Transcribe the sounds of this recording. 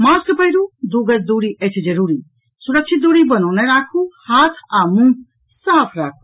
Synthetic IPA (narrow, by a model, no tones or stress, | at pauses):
maskəpəɦiɾud̪uɡəɾd̪uɽiʔet͡ʃʰid͡ʒɐɾuːɾi | suɾɐk̚t͡ʃʰit̪̚d̪uɽibənawnɛɾaːkʰuhaːt̪ʰaːmũ | saːpʰɾaːkʰu̥